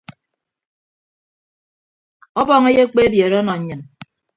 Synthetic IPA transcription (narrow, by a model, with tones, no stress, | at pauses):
ɔ˦bɔ˨ŋe˦je˦k͡pe˦e˦bje˨ɾe˦ɔ˦nɔ˨ɲ̩˦ɲɨ˨n